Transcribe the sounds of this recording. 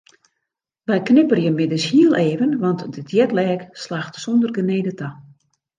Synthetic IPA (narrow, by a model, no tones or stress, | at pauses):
ʋɛjknɪpərjəmɪdəshiəlˠeːvənʋɑntdədjɛtlɛːkslaxtsɔndərɡəneːdətʰa